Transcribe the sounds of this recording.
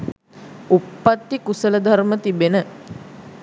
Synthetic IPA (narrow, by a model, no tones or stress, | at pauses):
upːat̪ːikusələd̪ʱarmət̪ibenə